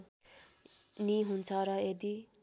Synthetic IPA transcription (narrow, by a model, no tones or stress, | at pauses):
niɦunt͡sʰʌɾʌed̪i